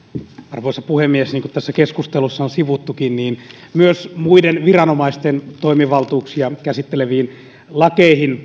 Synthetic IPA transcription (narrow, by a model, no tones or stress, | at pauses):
ɑrʋoisɑpuhemːiesniːŋkut̪t̪æsːækeskust̪elusːɑonsiʋut̪ːukinniːnmyøsmuidenʋirɑnomɑist̪ent̪oimiʋɑlt̪uːksiɑkæsit̪ːeleʋiːn | lɑkeihin